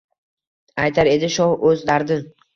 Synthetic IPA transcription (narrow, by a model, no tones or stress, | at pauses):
ajt̪ʰaɾe̞d̪ɪʃɒhɵzd̪aɾd̪ɪn